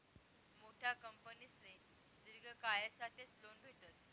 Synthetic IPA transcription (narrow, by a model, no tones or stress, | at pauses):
moʈʰjakəmpənisle | d̪iɾɡʱəkajesaʈeslonbʱet̪əs